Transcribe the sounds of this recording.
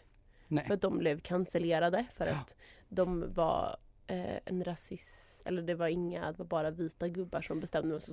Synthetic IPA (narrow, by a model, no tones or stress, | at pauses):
fœɾat̪̚d̪ɔmblɛvkʰansəleːɾad̪əfœɾa̰t̪d̪ɔmva̰ɾ | ɛ̰nɾasɪsɛ̰lːəɖɛvaɾɪŋːa̰d̪ɛvaɾbɑːɾaviːt̪aɡɵbːaʂɔmbɛst̪ɛmd̪əmɛsɔ